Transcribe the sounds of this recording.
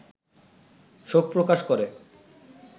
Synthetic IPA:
ʃob̚pɾokaʃkoɾe

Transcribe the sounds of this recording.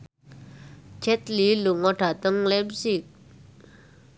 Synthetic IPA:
t͡ʃʰɛt̪liluŋɔɖ̥at̪əŋlɛb̚sik̚

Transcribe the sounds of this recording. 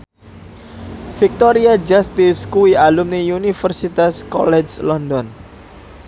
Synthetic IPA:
fik̚t̪ɔɾiad͡ʒast̪ɪskuialumnijunifərsit̪askɔ̰lɛd͡ʒlɔndɔn

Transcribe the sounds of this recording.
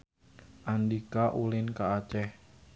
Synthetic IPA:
ʔandikaʔulɪnkaat͡ʃɛh

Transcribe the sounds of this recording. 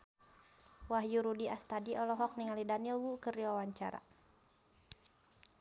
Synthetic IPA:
waɦjuɾudiʔast̪adiʔɔlɔɦɔk̚niŋalidanilwukəriwawaɲt͡ʃa̰ɾa̰

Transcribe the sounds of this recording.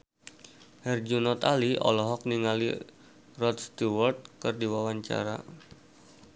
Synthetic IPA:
hɛrd͡ʒunɔt̪aliʔɔ̰lɔɦɔk̚niŋalḭ | rɔt̪st̪uwɔrt̪̚kɨrdiwawaɲt͡ʃa̰ɾa̰

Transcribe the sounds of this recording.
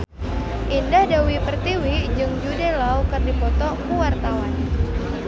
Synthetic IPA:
ʔindahdawipərt̪iwid͡ʒɨŋd͡ʒudɛlaukərdipɔt̪ɔkuwart̪awan

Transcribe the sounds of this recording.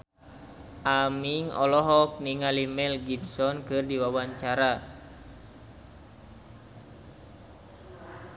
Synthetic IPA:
ʔamiŋɔ̰lɔɦɔk̚niŋalimɛlɡibsɔnkɨrdiwawaɲt͡ʃaɾa

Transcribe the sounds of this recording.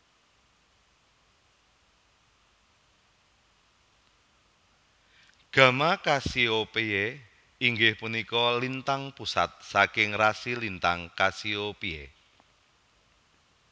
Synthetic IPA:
ɡ̥ä̤makasiopee | iŋɡɪhpunikɔlint̪aŋpusa̰t̪̚sakɪŋrasilint̪aŋkasiopiḛ

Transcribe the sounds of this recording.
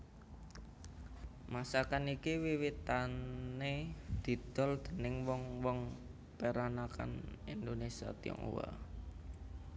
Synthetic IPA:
masakanikiwiwit̪anned̪̥i̤d̪̥ɔ̤ld̪̥ə̤nɪŋwɔŋwɔŋ | peɾanaka̰nind̪onesia̰t̪ḭɔ̰ŋṵwa̰

